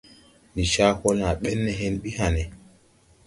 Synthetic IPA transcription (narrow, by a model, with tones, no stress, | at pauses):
ni˨ʃa˦kɔ˦la˨ɓɛ˦nːɛ˨ɦɛ˦nɓi˦ha˨nɛ˨